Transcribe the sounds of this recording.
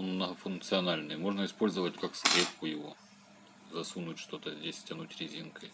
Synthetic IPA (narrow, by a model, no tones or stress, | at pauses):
onmnəɦəfʊnk̚t̪sɨɐnalʲnɨjmo̞ʐnəɪspo̞lʲzəvətʲkakskɾʲep̚kʊjɪvo̰ | zɐsunʊtʲʂt̪o̞t̪əzʲdʲesʲsʲtʲɐnutʲɾʲɪzʲinkəj